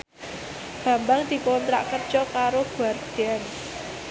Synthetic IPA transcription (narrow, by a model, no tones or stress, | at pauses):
ɡ̥ä̤mbaŋd̪̥i̤kont̪ɾaʔkərd̥ʒ̥ɔkaɾoɡ̥uard̪̥ɛn